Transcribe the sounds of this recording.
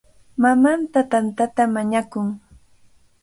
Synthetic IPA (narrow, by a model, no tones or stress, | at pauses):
mamant̪at̪ant̪at̪amaɲakʊŋ